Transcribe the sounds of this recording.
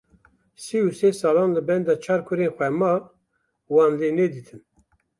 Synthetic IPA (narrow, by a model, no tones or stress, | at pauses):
siusesɑːlɑːnləbɛnd̪ɑːt͡ʃʰɑːɾkʰʊɾeːnxʷɛmɑ | wɑːnd̪ened̪it̪ʰɨn